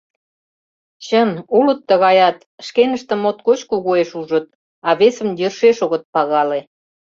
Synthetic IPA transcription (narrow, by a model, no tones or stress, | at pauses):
t͡ɕənulət̪ːəɣɑjɑt̪ | ʃkenəʃt̪ə̆mot̪kot͡ɕkuɣoeʃuʒət̪̚ | ɑβesə̆mjərʃeʃoɣə̆t̪̚pɑɣɑle